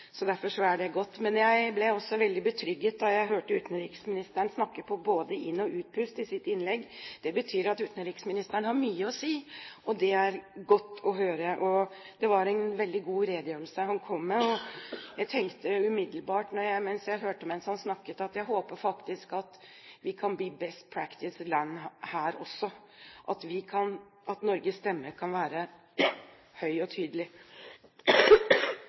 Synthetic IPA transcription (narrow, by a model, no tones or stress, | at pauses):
sɔd̪æɾfɔʂɔæɖɛɡɔt̪ːmɛnjæɪblɛɔsːɔʋɛld̪ɪbət̪ʰɾʏɡːət̪̚d̪ɑjæɪɦøːʈəʉːt̪n̩ɾiːksmɪnɪst̪əɳsnɑkːəpʰɔboːd̪əʔɪnːɔʔʉːt̪̚pʰʉst̪ɪsɪt̪ːɪnlɛɡːd̪̥ɛbət̪ʰyːɾɑt̪ʉːt̪n̩ɾiːksmɪnɪst̪əɳəhɑɾmyːəɔsiːʔɔd̪ɛæɾɡɔt̪ːɔɦøːɾəʔɔ | d̪ɛʋɑɾæɪnʋɛld̪ɪɡuːɾeːd̪jøːɾl̩səhɑnkʰɔmːɛɔjæɪt̪ʰɛŋkt̪əʉmɪd̪l̩bɑːʈnɔɾjæɪmɛnsjæɪɦøːʈəɔmɛnshɑnsnɑkːət̪ɑt̪jæɪɦoːpəɾfɑkt̪ɪskɑt̪ | ʋɪkʰɑnb̪iːbɛst̪̚pʰɾækt̪ɪslænːhæːɾɔ̰sːɔ | ʔɑt̪ʋɪkʰɑn | ʔɑt̪nɔɾɡəst̪ɛmːəɾkʰɑnʋæːɾə | hœʏɔt̪ʰyːd̪əlɪ